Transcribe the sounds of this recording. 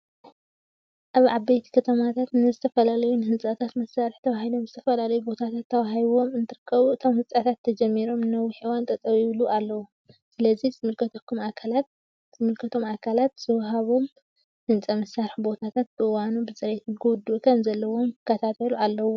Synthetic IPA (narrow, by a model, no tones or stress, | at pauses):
ʔaβʕabejt̪ʰi̥kʰɐt̪ʰɐmat̪ʰat̪nɨzɨt̪ʰɐfɐlalɐjunɨhɨnt͡sʼat̪ʰat̪mɐsːaɾħt̪ʰɐβahilo̞mzɨt̪ʰɐfɐlalɐjubo̞t̪ʰat̪ʰat̪ʰːɐβaɦiβo̞mɨnt̪ʰɨɾɨkʰːɐβuɨt̪ʰo̞mhɨnt͡sʼat̪ʰat̪ʰːɐd͡ʒɐmːiɾo̞mnɐwːiħiwant̪ʼɐt̪ʼɐwjɪβluʔalːɐwu | sɨlɐzizʼɨmɨlkʰɐt̪ʰɐkːumakʰalat̪̚ | zɨmɨlkʰɐt̪ʰo̞makʰalat̪z̥ɨwɦaβo̞m | hɨnt͡sʼɐmɐsːaɾħbo̞t̪ʰat̪ʰat̪̚bɨʔɨwanubɨt͡sʼɨɾet̪ʰuɡowd̪uʔukʰɐmzɐlːɐwo̞mkʰːɐt̪ʰat̪ʰɐlualːɐwu